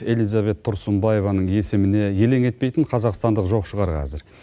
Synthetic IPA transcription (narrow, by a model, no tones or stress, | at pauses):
e̞lijzɑβe̞t̪ʰːʊɾsəmbɑje̞vɑnəɴe̞sɪmɪne̞je̞le̞ŋe̞t̪̚pejt̪ɪɴqʰɑzɑqst̪ɑnd̪əqʒo̞qʃəʁɑɾqʰɑ̰zɪɾ